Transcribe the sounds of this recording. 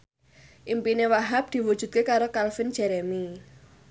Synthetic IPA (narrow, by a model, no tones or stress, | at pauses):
ʔimpinewaɦap̚d̪̥i̤wud̥ʒ̥ṳt̪̚kekaɾokalfɪnd͡ʒ̥ɛɾɛmi